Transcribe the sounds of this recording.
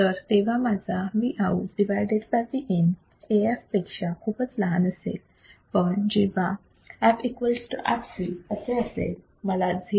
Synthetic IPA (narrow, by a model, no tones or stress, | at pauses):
t̪əɾt̪eʋ̤amad͡zaʋiʔauɖiʋajɖeɖbajd̪iʔɛn | eefpekʂakʰuːpət͡slaɦanəsḛl | pəɳd͡ʑiba | æʋikʋəlsʈuʔa̰psiəseəsḛl | məlad͡zʱi